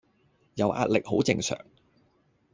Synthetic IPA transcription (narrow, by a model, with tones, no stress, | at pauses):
jɐ˨˧wʔa̰ː˧t̚lɪ˨k̚ho˨˥wt͡sɪ˧ŋsœ̰ː˨˩ŋ